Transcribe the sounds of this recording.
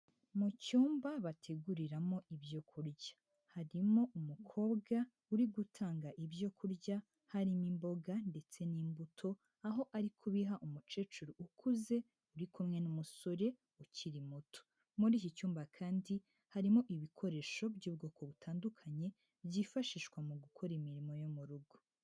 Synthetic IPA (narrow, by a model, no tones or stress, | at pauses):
mucuːmbaβatʰe̞ɡuɾiɾamo̞ʔibjo̞kʰuɾɟḁ | haɾimo̞ʔumukʰo̞ːbɡa | uɾiɡutʰaːŋɡaʔibjo̞kʰuɾɟa | haɾimimbo̞ɡande̞t͡se̞niːmbutʰo̞ | aɦo̞ʔaɾikʰuβiɦaʔumut͡ʃe̞ːt͡ʃuɾuukʰuze̞ | uɾikumŋe̞numuso̞ɾe̞ | uciɾimutʰo̥ | muɾiːcicuːmbakʰaːndi | haɾimo̞ʔiβikʰo̞ɾe̞ːʃo̞bɟuːbɡo̞ːkʰo̞βutʰaːndukʰaɲe̞ | bjifaʃiʃkwamuɡukʰo̞ɾimiɾimo̞jomuɾuɡo